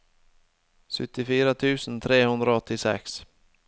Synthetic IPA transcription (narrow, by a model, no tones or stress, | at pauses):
ɧɵt̪ːɪfiːɾat̪ʰʉ̟ːsənt̪ʰɾeːhɵnd̪ɾaɔt̪ːɪsɛ̰ks